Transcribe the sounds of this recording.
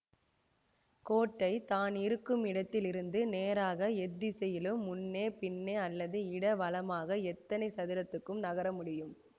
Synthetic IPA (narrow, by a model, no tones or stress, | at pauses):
koːʈːɐɪt̪aːnɪɾɯkːɯmɪɽɐt̪ːɪlɪɾɯnd̪ɯneːɾaːɣɐɛd̪ːisɛjɪlɯmːʊnːeːpɪnːeːɐlːɐðɯɪɽɐʋɐlɐmaːɣɐɛt̪ːɐnɐɪsɐðɪɾɐt̪ːɯkːɯmnɐɣɐɾɐmʊɽɪjɯm